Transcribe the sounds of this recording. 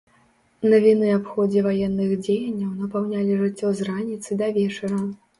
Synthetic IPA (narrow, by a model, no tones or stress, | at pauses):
nɐvʲinɨapxɔd͡zʲɛvajɛnːɨɣd͡zʲejɐnʲːɐwnɐpawnʲalʲiʐɨt͡sʲːɔzranʲit̪sɨd̪ɐvʲɛt͡ʂɐɾɐ